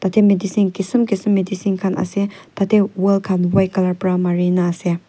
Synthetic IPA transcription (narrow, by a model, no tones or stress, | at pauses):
t̪at̪ʰemedisinkisumkisumːedisinkʰanɐ̰set̪at̪ʰewɔlkʰanwajkalaɾpɾamaɾinase